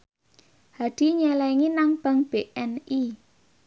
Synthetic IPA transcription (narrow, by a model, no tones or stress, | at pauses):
had̪̥i̤ɲɛlɛŋinaŋb̥a̤ŋb̥eʔɛni